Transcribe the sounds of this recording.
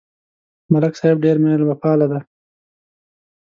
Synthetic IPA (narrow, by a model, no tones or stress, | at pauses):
malaksaɪb̚ɖeɾmelbapɑːlad̪a